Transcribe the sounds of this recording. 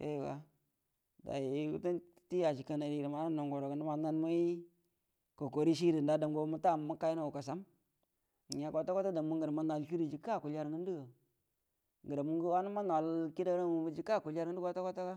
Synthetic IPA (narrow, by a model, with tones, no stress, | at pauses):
jḛ˦˨wa̰˨ | da̰˨ji˨˦ṵ˦ta˦ti˦a˨t͡ʃi˨ka˨na˨ɾi˨ɾi˨ma˨˦na˦no˨ŋɡo˨ɾo˨kə˨na˦ma˨na˦n˦mu˦i˦ | ko˨ko˨ɾi˦ʃ̬i˦ɾi˨nda˦da˨ŋɡo˦mu˦ta˦˨mu˦ka˦jna˨ka˨s̬a˦m˨ | ɲ˨a˨ko˨ta˦ko˦ta˦da˨mu˦ŋɡə˨ɾa˨ma˦na˨lt͡ʃi˦ɾi˨d͡ʒi˨ka˦˨ku˨la˦ɾŋi˦ndi˦ɡa˨ | ŋɡə˨ɾa˨mu˦ŋɡu˦wa˦nu˦ma˦na˨lki˦da˦ɾa˦mu˨ə˦d͡ʒi˦ka˦˨ku˨la˦ɾŋə˦u˦ka˦ta˦ko˦ta˦ka˦